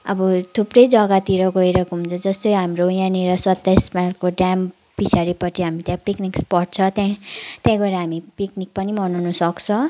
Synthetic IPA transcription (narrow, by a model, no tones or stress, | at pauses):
ʌbʌt̪ʰuprʌjd͡zʌɡat̪iɾʌɡʌiɾʌkɦũnt͡sʰʌ̃d͡zʌst̪ʌjɦamɾojãneɾʌsʌt̪ːajsmalkoɖam | pit͡sʰaɾipʌʈʰiɦamit̪jãpiknikspʌrt͡sʰʌt̪jãt̪jãɡʌɾaɦamipiknik̚pʌnimʌnawnʌsʌkt͡sʰʌ̃